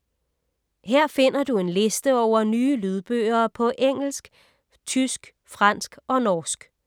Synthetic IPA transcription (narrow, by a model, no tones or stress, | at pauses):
heɐ̰fe̝n̰ɐd̥ue̝nle̝sd̥əɒʊ̰ɐnyːlyð̞ˠb̥ø̰ːɐːpʰɒ̽ʔeŋ̰l̩sɡ̥ | t͡sʰysɡ̥ | fʁɑn̰sɡ̥ɒ̽nɒːsɡ̥